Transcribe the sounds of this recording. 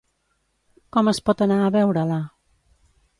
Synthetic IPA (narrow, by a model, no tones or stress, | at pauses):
kɔməspɔt̪ənaəβɛwɾəla